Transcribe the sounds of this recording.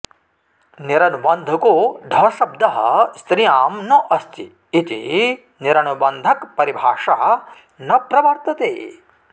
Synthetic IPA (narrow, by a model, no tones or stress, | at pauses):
niɾɐnubɐnd̪ʱɐkoɖ̪ʱɐʃɐb̚d̪ɐɦɐ̰st̪ɾijaːmnɐʔɐst̪iː | t̪ḭ | niɾɐnubɐnd̪ʱɐkpɐɾibʱaːʂaːɐ | nɐpɾɐʋɐɾt̪ɐt̪ḛː